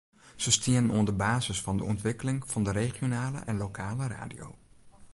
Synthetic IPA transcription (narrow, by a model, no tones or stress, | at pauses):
z̥əstɪənənundəbaːzəsfɑndə̰ɔ̰ntʋɪkəlɪŋv̥ɑndəɾeχijonaːlə̰ʔɛnlokʰaːləra̰ːdijo̰w